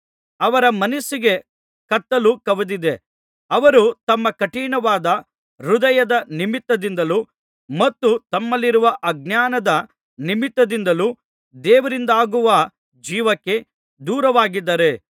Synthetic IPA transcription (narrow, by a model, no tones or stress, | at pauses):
ɐʋɐɾɐmɐnɐsiɡe̞ | kɐt̪ːɐlukɐʋɐd̪id̪e̞ | ɐʋɐɾut̪ɐmːɐkɐʈiːɳɐʋaːd̪ɐ | ɾud̪ɐjɐd̪ɐnimit̪ːɐd̪ind̪ɐlu | mɐt̪ːut̪ɐmːɐlːiɾuʋɐʔɐɡ̚njaːnɐd̪ɐ | nimit̪ːɐd̪ind̪ɐluː | d̪ɛːʋɐɾind̪aːɡuʋɐ | d͡ʒiːʋɐkːe̞ | d̪uːɾɐʋaːɡid̪ːɐɾe̞